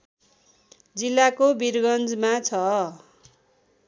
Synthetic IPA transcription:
d͡zilːakobirɡʌnd͡zmat͡sʰʌ

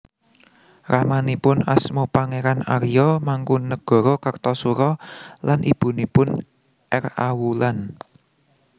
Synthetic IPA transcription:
ramanipʊnasmupaŋeɾanaɾijɔmaŋkunəɡ̥ɔ̤ɾɔkərt̪ɔsuɾɔlanʔib̥ṳnipʊn | ʔɛrawulan

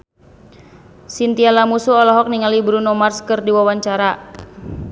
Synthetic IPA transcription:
sint̪ialamusuɔlɔɦɔk̚niŋalibɾunɔmarskɨrdiwawaɲt͡ʃaɾa

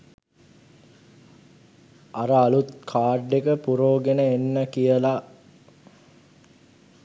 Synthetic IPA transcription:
aɾəalut̪kʰaːɖːekəpuɾoːɡenəenːəkijəla

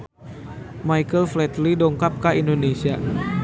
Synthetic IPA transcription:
majkəlflɛt̪lidɔŋkap̚kaindonesia

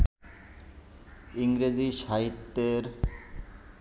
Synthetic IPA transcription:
iŋɾed͡ʑiʃaɦit̪ːeɾ

